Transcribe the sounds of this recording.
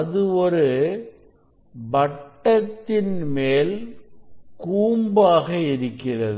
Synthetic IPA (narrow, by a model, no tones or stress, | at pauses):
ɐðɯɔɾɯ | bɐʈːɐt̪ːɪnmeːl | kuːmbaːɣɐɪɾɯkːɪrɐðɯ